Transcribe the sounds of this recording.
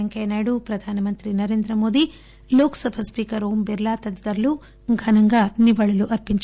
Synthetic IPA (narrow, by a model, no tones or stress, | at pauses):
ɐŋkeːnaːjɽupɾɐd̪ʱaːnɐmɐnt̪ɾinɐɾeːnd̪ɾɐmo̞ːd̪i | loːkɐ̥sɐbʱɐspiːkɐɾoːmbiɾlaːt̪ɐd̪ɐd̪ɐɾlu | ɡʱɐnɐŋɡaːniʋɐɭɐluʔɐɾpiɲt͡ʃ